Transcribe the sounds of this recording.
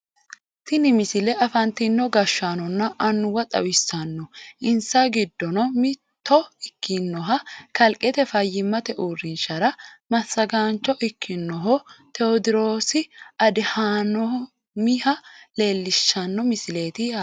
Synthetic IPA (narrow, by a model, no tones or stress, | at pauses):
t̪ɪnɪmɪsɪlɛɐfɐnt̪inːɔɡɐʃːaːnɔnːɐʔɐnːʊwɐt̪ʼɐ̰wɪsːɐnːɔʔɪnsaɡɪd̪ːɔnɔmɪ | t̪ːɔɪkːɪnːɔɦɐkɐlkʼɛt̪ɛfɐjːɪmːɐt̪ɛʔurːɪnʃɐɾɐmɐsːɐɡaːnt͡ʃːɔʔɪkʰːɪnːɔɦɔt̪ɛɔd̪ɪɾoːsɪɐd̪ɪhanɔ | mɪhɐle̞ːlːɪʃːɐnːɔmɪsɪle̞ːt̪ɪa